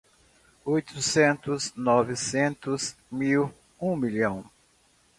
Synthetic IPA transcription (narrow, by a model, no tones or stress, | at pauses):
ojt̪ʊsẽnt̪ʊznɔvɪsẽnt̪ʊzmiw | ũmiʎɐ̃w̃